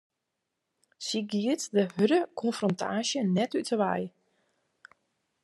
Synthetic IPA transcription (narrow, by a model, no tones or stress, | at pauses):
siɡiətdəhødəkʰɔnfrɔntʰa̰ːʃjənɛtytʰəʋɛ̰j